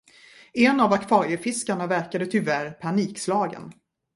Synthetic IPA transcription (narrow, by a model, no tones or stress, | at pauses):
ɛnavakvɑːɾɪəɾfɪskaɳavæɾkad̪ət̪ʰʏvæɾpʰaɳiːkslɑːɡə̰n